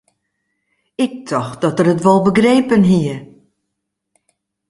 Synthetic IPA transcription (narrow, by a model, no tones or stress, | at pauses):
ɪk̚tʰɔxd̥ɔtərɦətʋɔlˠbəɡreːpənɦiə